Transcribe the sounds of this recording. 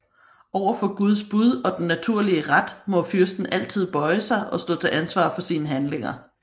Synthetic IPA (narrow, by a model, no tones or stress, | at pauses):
ʔɒʊɐfɒ̽ɡ̥uð̞ˠsb̥uð̞ˠɒ̽d̥enːæt͡sʰuɐ̰liəʁad̥mɒ̽fyɐsd̥n̩ʔæl̰t͡sʰið̞̰ˠb̥ɒ̽ɪəsɑ̈ɪʔɒ̽sd̥ɔ̰̽ːt͡sʰe̝ʔænsʋɑ̰̈ːfɒ̽siːnəɦænle̝ŋɐ